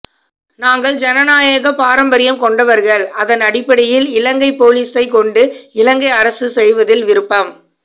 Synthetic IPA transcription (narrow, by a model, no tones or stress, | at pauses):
naːŋɡɐɭd͡ʒɐnɐnaːjɐɣɐpaːɾɐmbɐɾɪjɐmkɔɳɖɐʋɐɾɣɐɭɐðɐnɐɽɪpːɐɽɪjɪlɪlɐŋɡɐɪpːoːliːsɐɪkɔɳɖɯɪlɐŋɡɐɪɐɾɐsɯsɛjʋɐðɪlʋɪɾɯpːɐm